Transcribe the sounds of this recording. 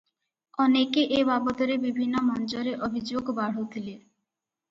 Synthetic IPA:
ɔnekeʔebabot̪oɾebibʱinːomɔnd͡ʑoɾeʔobʱid͡ʑoɡbaɽ̤ot̪ʰile

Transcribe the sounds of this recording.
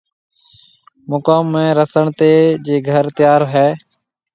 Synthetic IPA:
mʊkaːmːẽːɾəsəɳt̪eːd͡ʒeːɡʱəɾt̪ɪjaːɾɦɛː

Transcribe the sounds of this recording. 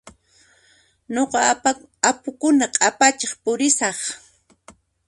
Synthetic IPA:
ɲoqɑ | apʊkʊnaqʼapat͡ʃeχpʊɾɪsɑχ

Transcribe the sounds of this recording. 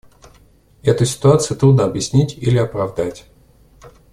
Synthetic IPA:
ɛt̪ʊsʲɪ̥t̪ʊat̪sɨjʊt̪ɾud̪nəɐbjɪsʲnʲitʲilʲɪɐpɾɐvd̪atʲ

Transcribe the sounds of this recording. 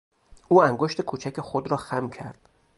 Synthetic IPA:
ʔuːæŋɡoʃt̪e̞kʰut͡ʃʰæce̞xod̪ɾɒːxæmcʰæɾd̪̥

